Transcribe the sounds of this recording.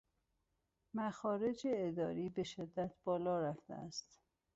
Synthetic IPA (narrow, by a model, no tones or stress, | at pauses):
mæxɒːɾe̞d͡ʒeːd̪ɒːɾiːbe̞ʃe̞d̪ːæt̪ʰb̥ɒːlɒːɾæft̪ḛæ̰st̪